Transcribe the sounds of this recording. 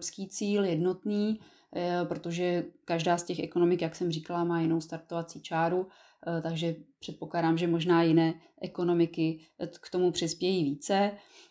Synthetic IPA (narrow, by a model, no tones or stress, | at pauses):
pskiːt͡siːljɛdno̞t̪niː | pɾot̪o̞ʒɛkaʒdaːscɛxʔɛko̞no̞mɪkjaksɛmrikalamaːjɪno̞wst̪aɾt̪ovat͡siːt͡ʃaːɾu | t̪aɡʒɛpr̝̥ɛt̪poklaːdaːmʒɛmo̞ʒnaːjɪnɛːʔɛko̞no̞mɪkɪ | kt̪o̞mupr̝̥ɪspjɛjiːviːt͡sɛ